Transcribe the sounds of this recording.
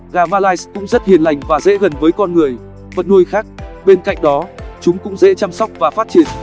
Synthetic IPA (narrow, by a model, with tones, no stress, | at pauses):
ɣaː˨˩maː˧laː˧jskʊ̰˧˥ŋ͡mzə˦˥t̚hi˨˩ənla˨˩jŋ̟vaː˨˩zḛ˧˥ɣə˨˩nvəː˨˦jkɔ˧nŋɨ˨˩əj | fə˨˩t̚nu˧jxaː˦˥k̚ɓe˧nka̰˧˨jŋ̟ɗɔ˨˦t͡ɕʊ˨˦ŋ͡mkʊ̰˧˥ŋ͡mzḛ˧˥t͡ɕa˧msɔ˦˥wk͡p̚vaː˨˩faː˦˥t̚t͡ɕi˧˩ən